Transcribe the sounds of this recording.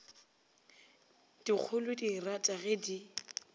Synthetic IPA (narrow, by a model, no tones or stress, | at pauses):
d̥ik͡xʰʊlʊdiratʼaɣɛdi